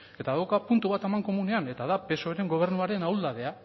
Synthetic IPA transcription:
e̞t̪aðawkapunt̪uβat̪emaŋko̞mune̞ane̞t̪aðape̞so̞eɾe̞ŋɡo̞β̞e̞ɾnuaɾe̞nawld̪aðe̞a

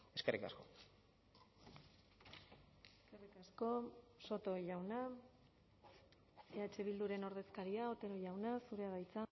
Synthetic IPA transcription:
e̞ske̞rika̰sko̞ | eske̞rikasko̞so̞t̪o̞ʝawna | eat͡ʃe̞β̞ild̪uɾe̞no̞ɾð̞e̞skaɾiao̞t̪e̞ɾo̞ʝawnasuɾe̞aβajt͡sa

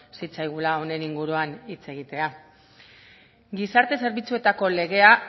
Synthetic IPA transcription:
sit͡sajɣ̞ulao̞ne̞niŋɡuɾuanit͡se̞ɣ̞it̪e̞a | ɡisaɾt̪e̞se̞ɾβit͡sue̞t̪ako̞le̞ɣ̞e̞a

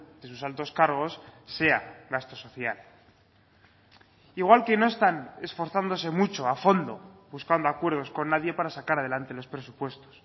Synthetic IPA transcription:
d̪̥e̞susalt̪o̞skaɾɣ̞o̞sːe̞aɣast̪o̞so̞θjal | iɣwalke̞no̞e̞st̪ane̞sfo̞ɾθand̪o̞s̬e̞mut͡ʃo̞afo̞nd̪o̞βuskand̪oakwe̞ɾð̞o̞sko̞nːaðje̞paɾasakaɾaðe̞lant̪e̞lo̞spɾe̞supwe̞st̪o̞̥s

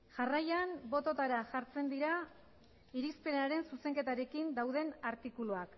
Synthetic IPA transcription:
ʝarajanbo̞t̪o̞t̪aɾaʝaɾt͡se̞nd̪iɾa | iɾispe̞naɾe̞nsuse̞ŋke̞t̪aɾe̞kind̪awðe̞naɾt̪ikuluak

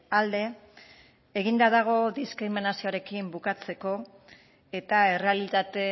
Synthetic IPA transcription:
ald̪e̞ː | ɣind̪að̞aɣ̞o̞ðiskɾiminasioaɾe̞kimbukat͡se̞ko̞ | e̞t̪ae̞re̞alit̪at̪e̞

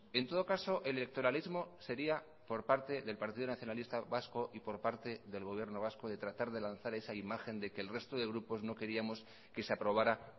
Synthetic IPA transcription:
ent̪o̞ð̞o̞kaso̞ʔelelek̚t̪o̞ɾalizmo̞se̞ɾia | po̞ɾpaɾt̪e̞ðe̞lpaɾt̪iðonaθjo̞nalist̪aβasko̞ʔipo̞ɾpaɾt̪e̞ðe̞lɣ̞o̞βje̞ɾno̞β̞asko̞ðe̞t̪ɾat̪aɾðe̞lanθaɾe̞saimaxe̞nd̪e̞keːlre̞st̪oðe̞ɣ̞ɾupo̞zno̞ke̞ɾiamo̞s | ke̞seapɾo̞β̞aɾa

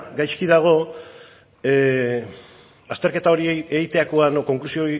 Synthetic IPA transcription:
ɡajskiðaɣ̞o̞ | ast̪e̞ɾke̞t̪ao̞ɾieɣit̪eakoanoko̞ŋklusio̞

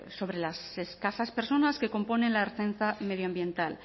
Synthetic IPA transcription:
so̞βɾe̞lase̞skasaspe̞ɾso̞naske̞ko̞mpo̞nẽ̞nlaeɾθenθame̞ð̞joambje̞nt̪al

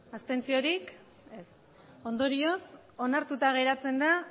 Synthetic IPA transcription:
ast̪e̞nt͡sio̞ɾik | es | o̞nd̪o̞ɾio̞s | o̞naɾt̪ut̪aɣ̞e̞ɾat͡se̞nd̪a

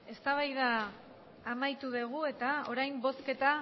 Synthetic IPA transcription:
e̞st̪aβajðaː | majt̪uðeɣ̞ue̞t̪ao̞ɾajmbo̞ske̞t̪a

